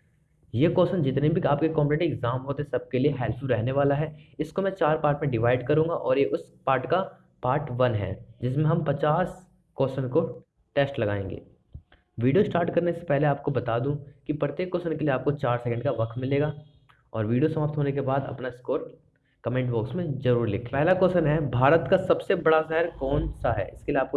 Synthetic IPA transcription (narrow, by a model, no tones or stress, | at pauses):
jeːkɔːsənd͡ʒɪt̪nebʱiaːpkekɔ̃ːmpẽʈɪɡzaːmɦoːt̪eɦɛsɐb̚kelieɦɛːlpʰuɾɛɦneʋaːlaɦɛːɪskomɛ̃t͡ʃaːɾpaːɾʈmẽɖɪʋaːɪɖkɐɾũːŋɡaʔɔːɾjeʔʊspaːɾʈka | paːɾʈʋɐnɦɛ̰ːd͡ʒɪsmẽɦɐmpɐt͡ʃaːs | kɔːsənko | ʈeːsʈlɐɡa̰ːḛ̃ːŋɡḛː | ʋiːɖijosʈaːɾʈkɐɾnese̥pɛɦleaːp̚kobɐt̪aːd̪ũkipɾɐɾt̪eːkːoːsənkelieaːp̚kot͡ʃaːɾsɛkə̃ɳɖkaʋɐkʰt̪mɪleːɡaː | ɔːɾʋiːɖijosɐmaːp̚t̪ɦoːnekebaːd̪ɐ̰pnaɪskoːɾ | kɐmẽːɳʈbɔːksmẽzɐɾuːɾlɪkʰlːpɛɦlakɔːsənɦɛbʱaːɾət̪kasɐbsebɐɽazaːɦɪɾkɔːnsaɦɛ̰ːɪ̰skeliaːp̚ko